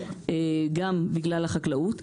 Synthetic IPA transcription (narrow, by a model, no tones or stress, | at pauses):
eɡambiɡlalaχaklaut